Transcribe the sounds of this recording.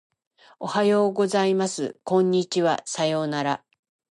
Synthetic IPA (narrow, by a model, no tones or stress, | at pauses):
ohajo̞ːɡo̞zaimasɨ̰kõ̞ɲ̟ːit͡ɕiβa̰sajo̞ːnaɾa